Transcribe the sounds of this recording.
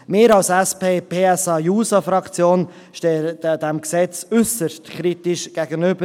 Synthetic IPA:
mɪːɾɑlsɛspeːpʰeːɛsɑjuːsɑfɾɑkt͡sjoːn | ʃteːdɛmksɛt͡sʏsəstkʰɾitɪʃɡ̥æɡənʏb̥ə

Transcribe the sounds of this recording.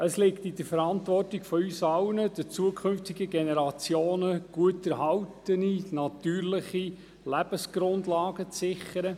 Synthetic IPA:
əslɪktid̥əfɛɾɑntvʋɔrtɪkfɔysɑwnəd̥ət͡suəkʰχʏnftɪɡəɡɛnɛɾɑt͡sjoːnəɡ̥uətɛɾɦɑwtəninɑtyːɾlɪχi | læb̥əsɡ̥ɾʊndlɑːɡət͡sːɪχəɾə

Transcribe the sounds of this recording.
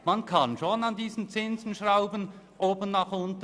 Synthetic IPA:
mɑnkʰɑnʃonɑndiːzən̩t͡sɪnzən̩ʃraʊbənʔoːbənːɑχʊntə

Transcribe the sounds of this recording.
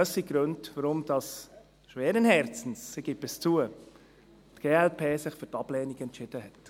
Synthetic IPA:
øsiɡ̥ɾøndvəɾʊmd̥ɑs | ʃʋɛːɾənhɛɾt͡sn̩sːiɡ̥ɪbɪst͡suə | tɡ̥eːɛlpʰeːsɪχføɾtɑb̥lɛːniɡɛntt͡ʃɪd̥əɦɛt

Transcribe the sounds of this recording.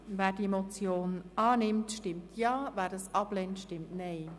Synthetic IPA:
vɛːɾdiemot͡sjoːnɑːnɪmtʃtɪmtʰjɑːvæːɾdɑsɑb̥lɛntʃtɪmtnɛɪ

